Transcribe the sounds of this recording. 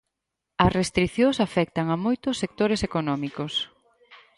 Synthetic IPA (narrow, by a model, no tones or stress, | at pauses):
ɐsrest̪ɾiθjosafɛk̚t̪ɐŋɐmojt̪ʊsːek̚t̪oɾesekonɔmikos